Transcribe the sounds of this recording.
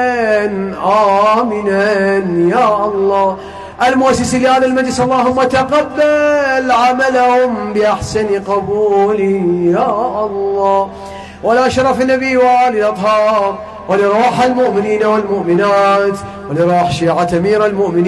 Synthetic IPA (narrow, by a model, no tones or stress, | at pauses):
nʔaːmɪnanjaːʔɑlˤːɑː | ʔɪlmʊʔasɪsɪlːiʔaːðalmad͡ʒɪsʔɑlˤːɑːhʊmːat̪aqabːalʕamalahʊmbɪʔaħsanqɑbuːlijaːʔʔɑlˤːɑː | walaʃɑɾˤɑfɪnːabiwʕaːlilɨt̪ˤhɑːɾ | wɪliɾˤɑːħalmʊʔmɪniːnawɪlmʊʔmɪnaːt̪ | wɪliɾˤɑːħʃiːʕat̪ʔamiːɾalmʊʔmɪn